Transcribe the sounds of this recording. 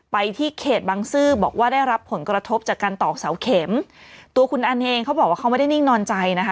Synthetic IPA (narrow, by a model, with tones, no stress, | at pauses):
pa˧jt̪ʰiː˥˩kʰeː˨˩t̪̚baː˧ŋsɯː˥˩bɔː˨˩k̚waː˥˩daː˥˩jɾa˦˥pʰːo˩˦nkɾa˧t̪ʰo˦˥p̚t͡ɕaː˨˩kːaː˧nt̪ɔː˨˩k̚sa˩˦wkʰe˩˦mt̪u˧kʰu˧nʔa˧nʔeː˧ŋkʰa˦˥bɔː˨˩k̚waː˥˩a˦˥ma˥˩da˥˩jni˥˩ŋnɔː˧nt͡ɕa˧jna˦˥kʰa˦˥